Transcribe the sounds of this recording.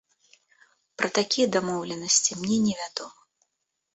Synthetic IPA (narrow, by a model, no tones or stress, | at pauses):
pɾʔɐt̪akʲijɐd̪amɔwlʲɛnɐsʲt͡sʲimnʲɛnʲɛvʲad̪ɔmɐ